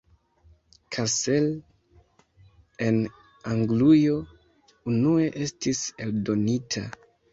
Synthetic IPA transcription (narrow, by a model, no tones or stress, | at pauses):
kʰase̞l | e̞n | aŋɡlujo̞ | unue̞ʔe̞stise̞ldo̞nitʰa̰